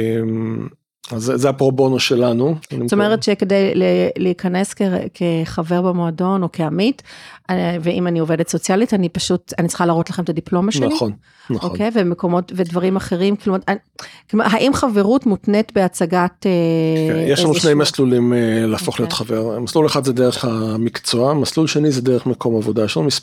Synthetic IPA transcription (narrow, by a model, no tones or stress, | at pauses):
em | azzɛapʁobonoʃelanua̰nitoomeʁetʃeke̞dajleleikaneskekʰeχave̞ʁbemoado̞no̞kʰeamitaveimaniovedetso̞t͡sjalitanipaʃutanit͡sl̥χalaːʁotlaχemet̪adiplo̞maʃeliχon | naχokejvemeko̞mo̞tvedvaʁimaχe̞ʁimkilomaa | koma̰ɦaʔimχaveʁutmutnetbe̞at͡saɡatejeʃlanuʃnejmaslulimelaaːfoχlijo̞t̪χaveʁmasluleχad̪zɛd̪eʁeχamikt͡soamaslulʃenizɛd̪eʁeχmeko̞mavodaʃmis